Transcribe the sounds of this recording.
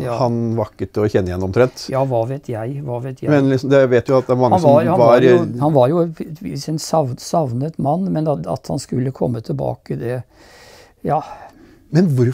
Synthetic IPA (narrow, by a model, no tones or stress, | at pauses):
hɑnʋɑkːət̪əɔçɛnːəjɛnɔmt̪ʰɾɛnt̪jɑːʋɑʋeːt̪ʰjæɪʋɑːʋet̪ʰjæmɛnlɪsɔmd̪ɛʋeːt̪jʊɑt̪d̪æɾmɑŋːɑnsɔɑhɑbɑɾhɑnʋɑɾjʊsɛnsɑʋsɑʋnət̪mɑnːmɛnɑ̰t̪hɑ̰nskʉlːəkʰɔmːət̪ʰɪlbɑ̰ːkəd̪ɛ | jɑː | mɛnʋʊɾ